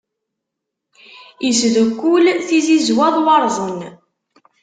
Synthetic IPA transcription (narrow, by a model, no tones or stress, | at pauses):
isðəkːulθizizwæðˤwɑɾˤzˤən